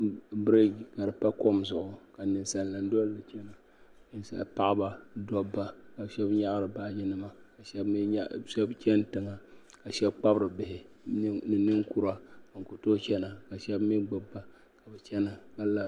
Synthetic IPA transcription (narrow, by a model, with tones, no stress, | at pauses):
bɾe˦ɡka˨ɾɨ˨pa˦ko˦mzʊ˨ʔʊ˨ka˨nɨ˨nsa˨nla˨n̩˦dɔ˦llɨ˨t͡ʃɛ˦na˨˦ | n˦sa̰˨lpa˦ʔba˦dɔ˦bːa˦ka˨ʃɛ˦bɲa˦ʔɾɨ˨ba˦d͡ʒi˦nɨ˦ma˨ka˨ʃɛ˦bʃɛ˦bt͡ʃɛ˦n˦tɨ˨ŋa˨ | ka˨ʃɛ˦bk͡pa˦bɾɨ˨bɪ˨hɪ˨˦ | nɨ˨nɨ˦ŋku˦ɾa˦˨ŋ̩˨ku˨to˦t͡ʃɛ˦na˨ka˨ʃɛ˦bmi˦ɡ͡bɔ˦bːa˦ | ka˨bɛ˨t͡ʃɛ˦na˨ka˦la˦